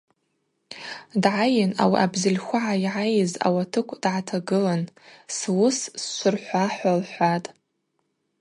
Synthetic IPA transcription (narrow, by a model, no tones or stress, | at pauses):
dʕajɪna̰wḭʔabzɪlʲxʷaʕaiʕajɪza̰watʰɨkʷʰʼd̥ʕatʰaɡɨlanswʊssʃʷʊrħʷaħʷalħʷatʼ